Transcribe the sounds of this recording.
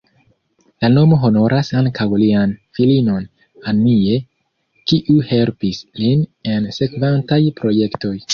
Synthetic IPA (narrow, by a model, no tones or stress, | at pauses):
lano̞mo̞ɦo̞no̞ɾʔasaŋkʰawlianfilino̞n | anie̞ | kiʔuhe̞lpisline̞nse̞kvantajpɾo̞je̞kto̞j